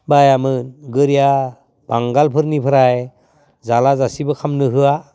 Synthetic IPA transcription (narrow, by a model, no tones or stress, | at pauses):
bajamɯnɡɯɾija | b̥aŋɡalpʰɯɾnipʰɯɾaj | zalazasibɯkʰamnɯɦɯa